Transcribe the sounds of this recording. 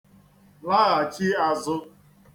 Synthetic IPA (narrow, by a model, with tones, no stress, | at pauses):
la˦ɣa˨t͡ʃɪ˦a˨zʊ˦